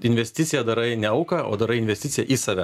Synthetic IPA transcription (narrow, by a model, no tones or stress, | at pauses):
ɪnʲʋʲɛsʲt̪ʲɪt̪sʲɪjɛd̪ɐɾɐɪnʲɛɐʊkɐo̰ːd̪ɐɾɐɪɪnʲʋʲɛsʲt̪ʲɪt̪ʲɪjɛʔiːsɑːʋʲɛ